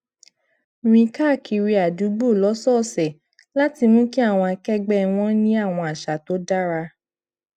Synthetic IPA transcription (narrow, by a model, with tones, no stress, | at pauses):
ĩ˧ka˦˨kʰi˧ɾi˧a˨du˨˦ɡ͡bo˦˨lɔ˨˦sɔ˦˨sɛ˨ | la˦ti˧mũ˦ki˦a˦˨w̃ɔ̃˧a˧kɛ˦ɡ͡bɛ˦˨w̃ɔ̃˦nĩ˦a˦˨w̃ɔ̃˧a˨ʃa˨to˦da˦ɾa˧